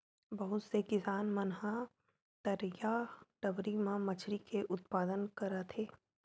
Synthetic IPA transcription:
bɐɦʊt̪sekɪsaːnmɐnɦa | t̪ɐɾjaʈ̪ɐbɾimãmɐt͡ʃʰɾikʰeʔʊt̪paːd̪ənkɐɾat̪ʰeː

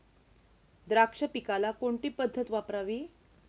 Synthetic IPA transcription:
d̪ɾakʂəpikalakoɳʈiːpəd̪ʱːət̪ʋapɾaʋi

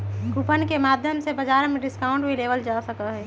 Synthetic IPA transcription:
kupənkemaːd̪ʱjəmsebɐd͡ʒaːɾmẽɖɪskaːʊ̃ɳʈbʱileːʋəld͡ʒaːsɐkaɦɛː

